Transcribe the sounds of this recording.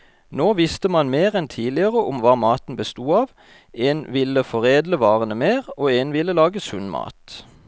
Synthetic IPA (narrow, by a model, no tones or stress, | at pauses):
noːʋɪst̪əmɑnmeːʁɛnt̪ʰiːlɪəʁəʔʊmʋɑːmɑːt̪n̩bəst̪uːɑːʋ | eːnʋɪləfɔʁeːd̪ləʋɑːʁənəmeːʁoːeːnʋɪləlɑːɡəsʉnmɑ̰ːt̪